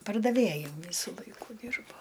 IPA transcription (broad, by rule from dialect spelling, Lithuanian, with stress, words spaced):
pɐrdɐˈʋʲeːjʊ ˈʋʲiːsʊ ˈlˠɐɪkʊ ˈdʲiːrboː